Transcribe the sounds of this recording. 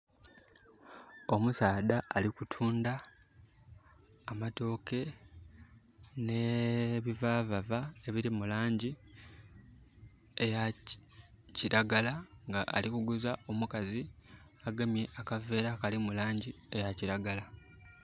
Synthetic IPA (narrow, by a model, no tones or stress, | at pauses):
o̞musaːd̪aʔːlikutʰuːnda | mato̞ːke̞ | ne̞βivaːvavae̞βiɾimulaːɲɟi | e̞ja | ciɾaɡalaŋɡaʔːlikuɡuzao̞mukazi | aɡemje̞ʔakave̞ːɾakalimulaːɲɟi | e̞jaciɾaɡala